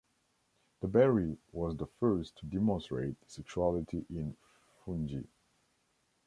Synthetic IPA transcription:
ðəbɛɹiwɔzðəfɜ˞stʰːudɛmɔ̃nstɹ̥eɪtsɛkʃualɪtʰiʔɪ̃n | fũnd͡ʒḭ

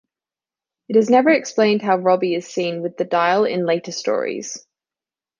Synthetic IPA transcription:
ɪtɪznɛvəɹɛksplẽɪ̃nd̥ɦaʊɹɒbiɪz̥sĩːnwɪðədaɪəlˠɪ̰̃nleɪtəstɔ̰ːɹḭz̥

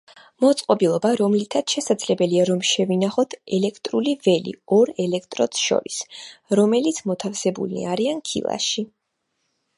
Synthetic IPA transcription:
mɔt̪sʼqʼɔbilˠɔbaɾɔmlit̪ʰat̪ʃɛsad̪zlɛbɛliaɾɔmʃɛvinaχɔt̪ʰɛlɛkʰt̪ʼɾulivɛlḭɔɾɛlɛkʰt̪ʼɾɔt̪sʃɔ̰ɾisɾɔmɛlit̪sʰmɔt̪ʰafsɛbṵlḭaɾiankʰḭlˠa̰ʃi

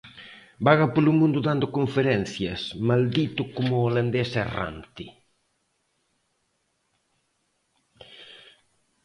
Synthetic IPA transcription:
baɣɐpolʊmũnd̪ʊðand̪ʊkoɱfeɾɛn̟θjɐsmald̪it̪ʊkomʊoland̪ɛsera̰nt̪ɪ

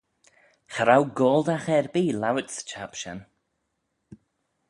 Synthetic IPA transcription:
xəɾawɡɔːlˠdaxɛɹbiːlawɪtst͡ʃʰapʃɛ̰n

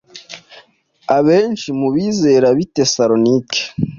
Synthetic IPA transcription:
aβe̞ːnʃimuβiːze̞ɾaβite̞saɾo̞nike̥

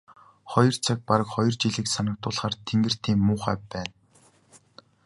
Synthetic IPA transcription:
χɔjɞ̆rt͡sʰak̚paɾə̆kχɔjɞ̆rt͡ɕiɮɘ̆ːksanə̆k̚t̪ʊːɮχaːrt̪ʰeŋɡɘ̆r̥t̪ʰiːmːʊːχæːpːæːn

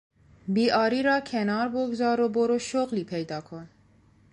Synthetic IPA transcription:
biːʔɑːɾiːɾɑːkʰenɑːɾboɡzɑːɾoboɾoʃoɣliːpʰejd̪ɑːkʰon

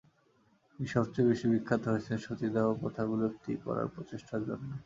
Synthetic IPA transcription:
iʃɔbt͡ɕobeʃibikʰːad̪ʱoɾet͡ɕʰenʃot̪id̪eopot̪ʰaɡuloɾt̪ikɔ̰ɾa̰ɾpɾot͡ɕeʃʈaɾd͡ʑonːo

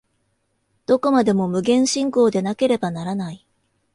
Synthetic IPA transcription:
d̪̥o̞ko̞mad̪e̞mo̞mɯ̟ɡẽ̞ɰ̃ɕĩŋko̞ːd̪e̞nake̞ɾe̞banaɾanai

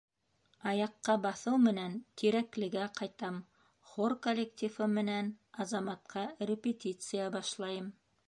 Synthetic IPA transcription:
ɑjɑqːɑbɑθɤwmɘ̆nænt̪iɾæklɘ̆ɡæqɑjt̪ɑm | χorkolʲːektʲifɤmɘ̆nænɑzɑmɑt̪̚qɑrʲɪpʲet̪ʲit̪sɨjabɑʃlˠɑjɤm

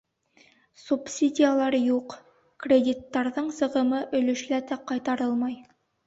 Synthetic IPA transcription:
supsʲidʲijalˠɑɾjuq | krʲedʲit̪ːɑɾðɤɴsɤ̆ʁɤ̆mɤʔɵ̆lɵ̆ʃlæt̪æqɑjt̪ɑɾɤlˠmɑj

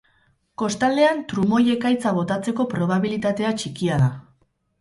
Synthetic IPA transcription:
ko̞st̪ald̪e̞ant̪ɾumo̞je̞kajt͡saβ̞o̞t̪at͡se̞ko̞pɾo̞β̞aβilit̪at̪e̞at͡ʃikiaða

